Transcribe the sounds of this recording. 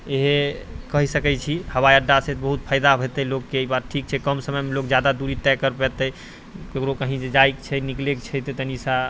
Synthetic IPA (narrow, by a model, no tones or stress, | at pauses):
eɦekəɦisəkɛjt͡ʃʰihəwajəɾɖaset̪bəɦut̪pʰajd̪abʱet̪əlokːeːjbaɾʈʰik̚t͡ʃʰɛkəmsəməjmelokd͡ʒjad̪ad̪uɾit̪ɛkːəɾpɛt̪ə | kekɾokəɦĩd͡ʒed͡ʒajkt͡ʃʰɛniklekt͡ʃʰɛt̪et̪ənisa